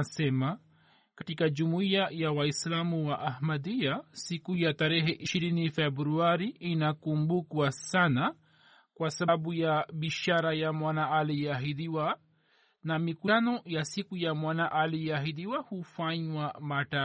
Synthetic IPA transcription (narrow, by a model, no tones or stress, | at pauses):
sɛma | katikad͡ʒumuiajawaislamuwaʔahmadiasikujataɾɛɦɛʔiʃiɾinifɛbɾuaɾiinakumbukwasana | kwasaɓujaɓiʃaɾajamwanaaliaɦiðiwa | namikuanɔjasikujamwanaʔaliaɦiðiwahufaɲwamata